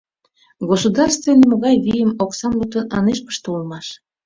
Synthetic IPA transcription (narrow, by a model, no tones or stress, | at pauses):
ɡosud̪ɑrst̪venimoɣɑjvijəmoksɑmlut̪ənɑneʃpə̥ʃt̪əulmɑʃ